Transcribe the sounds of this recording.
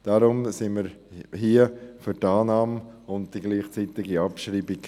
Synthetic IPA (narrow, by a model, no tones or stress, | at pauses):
d̥aɾʊmsɪməɾhiəfʏtɑːnɑːmʊn̚d̥iɡliːχt͡siːt̪ɪɡiɑpʃɾiːbik